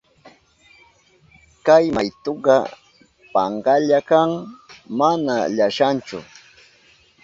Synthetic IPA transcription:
kajmajt̪oɢɑ | pɑ̰ɴɢɑʎakaŋmanaʎaʃant͡ʃʊ̰

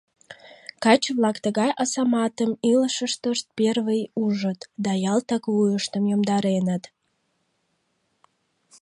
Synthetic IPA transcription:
kɑt͡ɕβlɑkt̪əɣɑjʔɑsɑmɑt̪əmiləʃəʃt̪əʃt̪̚perβəjuʒət̪d̪ɑjɑlt̪ɑkβujəʃt̪əmjomd̪ɑɾenət̪

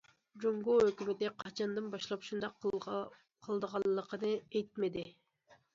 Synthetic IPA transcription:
d͡ʒoŋɡuøkʲymet̪ɪqʰɑt͡ʃʰɑnd̪ɨnbɑʃlˠɑpʃund̪ɑ | qʰəlˠd̪əʁɑlːəqənɨejt̪̚med̪ɪ

